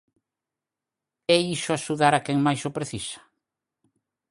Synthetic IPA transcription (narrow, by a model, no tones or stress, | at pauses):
ɛiʃʊaʃuðaɾakɛŋmajsopɾeθisḁ